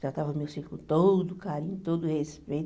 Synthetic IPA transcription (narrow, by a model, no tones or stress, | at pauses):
ʒat̪avɐmewsiɾklʊt̪od̪ʊkaɾĩɲʊt̪od̪ʊhespejt̪